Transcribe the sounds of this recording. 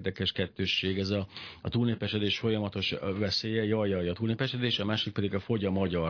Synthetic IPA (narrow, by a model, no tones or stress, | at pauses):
d̪ɛkɛʃkɛt̪ːøːʃːeːɡɛzɒɒt̪uːlneːpɛʃɛd̪eːʃfo̞jɒmɒt̪o̞ʃvɛseːjɛjɒjɒjɒt̪uːlneːpɛʃɛd̪eːʃɒmaːʃik̚pɛd̪iɡɒfo̞ɟɒmɒɟɒ